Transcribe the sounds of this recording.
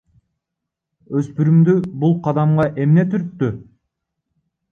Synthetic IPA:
øspyɾymd̪ybulˠqʰɑd̪ɑmʁɑʔe̞mne̞t̪yɾp̪ːy

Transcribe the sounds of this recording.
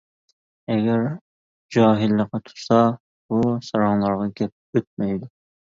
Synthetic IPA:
ɛɡʲɛɾ | d͡ʒɑːɦɪlːəqɑt̪ʰu̥t̪sɑ | b̥usɑɾɑŋlˠɑɾʁɑɡʲɛp̚øt̪̚mɛjd̪ʊ

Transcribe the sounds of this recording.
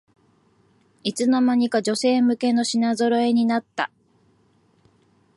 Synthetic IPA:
it͡sɨnamaɲ̟ikaʑo̞se̞ːmɯ̟ke̞no̞ɕinazo̞ɾo̞e̞ɲ̟inat̪ːa̰

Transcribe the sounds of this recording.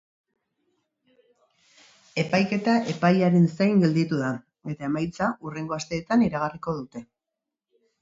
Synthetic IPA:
e̞pajke̞t̪aʔe̞pajaɾensajŋɡe̞ld̪it̪uða | e̞t̪aemajt͡saʔure̞ŋɡo̞ast̪e̞ːt̪aniɾaɣariko̞ð̞ut̪e̞

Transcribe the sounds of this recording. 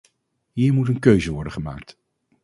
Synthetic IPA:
ɦiːɹmutənkøɥzəʋɔɹdəχəma̰ːk̚t

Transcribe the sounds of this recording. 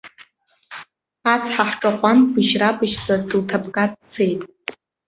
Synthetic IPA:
at͡sʰħaħʈ͡ʂʼaqʷʼanbɨʒrabɨʒt͡sʼatʼɨltʰapkʼadt͡sʰejtʼ

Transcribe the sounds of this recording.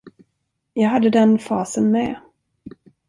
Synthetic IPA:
jɑːɡɦad̪ːəd̪ɛnfɑːsənmɛ

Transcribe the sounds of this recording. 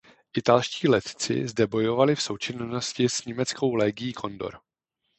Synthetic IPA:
ʔɪt̪alʃciːlɛt̪t͡sɪ̰zdɛbo̞jo̞valɪfso̞wt͡ʃɪnno̞scɪsɲɛmɛt͡sko̞wlɛːɡɪjiːkʰo̞ndo̞̰ɾ

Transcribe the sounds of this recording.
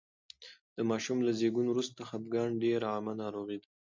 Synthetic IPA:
d̪̥əmɑʃumlazeɡunwɾust̪axab̪̚ɡɑɳɖeɾɑmanɑɾoɣid̪a

